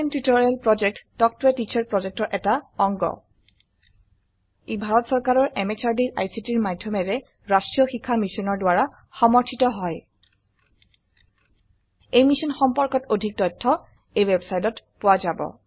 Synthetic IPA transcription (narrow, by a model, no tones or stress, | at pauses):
ntɹitɔɹalpɹɔd͡ʒɛk̚ttɔk̚twɛtit͡ʃʰaɹpɹɔd͡ʒɛk̚tɔɹʔɛtaɔŋɡɔ̰ | ibʱaɹɔtsɔɹkaɹɔɹʔɛmet͡ʃaɹdiɹʔa̰jsitiɹmadʱjɔmɛɹɛ | ɹastɹijɔxikʰːamisɔnɔɹdʊwaɹa | xɔmɔɹtʰitɔɦɔj | ejmisɔnxɔmpɔɹkɔtodʱik̚tɔjtʰːɔ | ejwɛbsajtɔtpʊwazabɔ̰